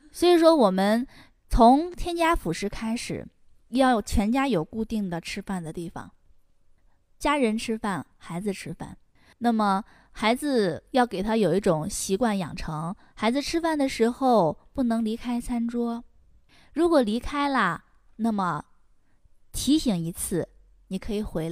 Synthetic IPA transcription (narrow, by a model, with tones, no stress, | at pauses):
swɔ˧˥i˨˩ʂwɔ˥wɔ˨˩mə˦n | t͡sʰʊ˧˥ŋt̪ʰjɛ˥nt͡ɕja˥fu˨˩ʂɻ̩˥˧kʰa˥ɪʂɻ̩̰˨˩ | jɑ˥˩ʊt͡ɕʰɥɛ˧˥nt͡ɕja˥jo˨˩ʊku˥˧t̪i˥˩ŋd̪ə˩ʈ͡ʂʰɻ̩˥fa˥˩nd̪ə˩t̪i˥˩fɑ̰˩ŋ | t͡ɕja˥ɻə˧˥nʈ͡ʂʰɻ̩˥fa˥˩nxa˧˥ɪd͡zɹ̩˧ʈ͡ʂʰɻ̩˥fa̰˥˩n | na˥˩mə˩ | xa˧˥ɪd͡zɹ̩˧jɑ˥˩ʊke˨˩ɪt̪ʰa˥jo˨˩ʊi˥˩ʈ͡ʂʊ˨˩ŋɕi˧˥kwa˥˩njɑ̰˨˩ŋʈ͡ʂʰɤ˧˥ŋ | xa˧˥ɪd͡zɹ̩˧ʈ͡ʂʰɻ̩˥fa˥˩nd̪ə˩ʂɻ̩˧˥xo˥˧ʊpu˥˩nɤ˧˥ŋli˧˥kʰa˥ɪt͡sʰa˥nʈ͡ʂwɔ˥ | ɻu˧˥kwɔ˨˩li˧˥kʰa˥ɪlə˨ | na˥˩mə˩ | t̪ʰi˧˥ɕi˧˥ŋi˧˥t͡sʰɹ̩˥˩ | ni˨˩kʰɤ˧˥i˨˩xwe˧˥ɪl